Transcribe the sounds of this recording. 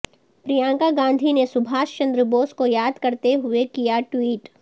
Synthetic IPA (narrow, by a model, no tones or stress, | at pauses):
pɾijãːŋkaɡãːnd̪ʱinesʊbʱaːʃt͡ʃɐ̃nd̪ɾəboːskojaːd̪kɐɾt̪eɦʊekijaʈwiːʈ